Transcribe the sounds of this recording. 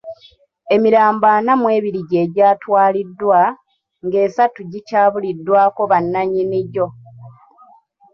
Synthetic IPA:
e̞miɾaːmbanamwe̞ːβiɾiɟe̞ːɟaːtwaːlidːwa | ŋɡe̞ːsatuɟicaːβulidːwaːko̞βanːaɲiniɟo̞

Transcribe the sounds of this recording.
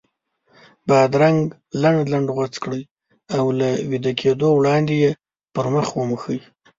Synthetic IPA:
bɑd̪ɾaŋɡ | laɳɖlaɳɖɣat͡skɽəj | awlawid̪akʰed̪owɽɑnd̪eje | pəɾməxwəməxəj

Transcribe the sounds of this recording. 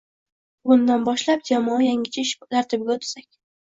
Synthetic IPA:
bʊnd̪anbɒʃlap̚d͡ʒamɒjaŋʲɪt͡ʃʰaɪʃt̪ʰaɾt̪ʰɪb̚ɡʲaʊt̪ʰsakʲ

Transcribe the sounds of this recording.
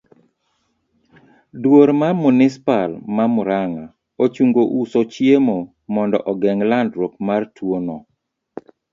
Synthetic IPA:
dwoɾmarmunɪspalmamʊɾaŋa | ot͡ʃuŋɡoʔusot͡ʃjemo | mɔndɔ̰ʔɔɡɛŋlandɾokmartwonɔ

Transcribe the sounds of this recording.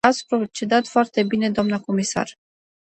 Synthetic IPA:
at̪sʲpɾot͡ʃe̞d̪at̪foart̪e̞bine̞d̪oamnəko̞misa̰r

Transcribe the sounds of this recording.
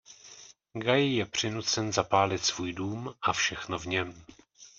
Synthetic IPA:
ɡajɪjɛpr̝̥ɪnut̪t͡sɛnzapaːlɪt̪svuːjduːmʔafʃɛxno̞vɲɛm

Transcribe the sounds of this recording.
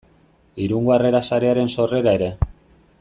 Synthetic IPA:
iɾuŋɡoare̞ɾasaɾe̞aɾe̞nso̞re̞ɾae̞ɾe̞

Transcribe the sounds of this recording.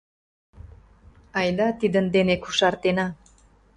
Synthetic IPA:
ɑjd̪ɑt̪id̪ənd̪enekuʃɑrt̪enɑ

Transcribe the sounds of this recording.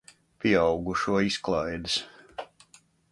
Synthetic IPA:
pʲiawɡuʃuɔisklˠajd̪ɨs

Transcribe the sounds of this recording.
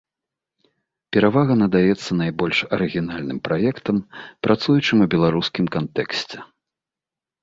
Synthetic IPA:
pʲɛɾavaɣɐnɐd̪ajɛt̪sːɐnajbɔlʲʂɐɾɨɣʲinalʲnɨmpɾajɛkt̪ɐmpɾʔat̪sujut͡ʂɨmubʲɛlˠaɾuskʲimkant̪ɛksʲt͡sʲɛ

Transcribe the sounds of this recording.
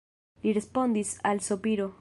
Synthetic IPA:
lirespond̪isalsopiɾo

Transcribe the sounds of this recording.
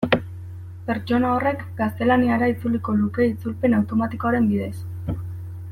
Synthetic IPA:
pe̞ɾt͡ʃo̞nao̞re̞kɡast̪e̞laniaɾait͡suliko̞luke̞it͡sulpe̞nawt̪o̞mat̪ikoaɾe̞mbiðe̞s

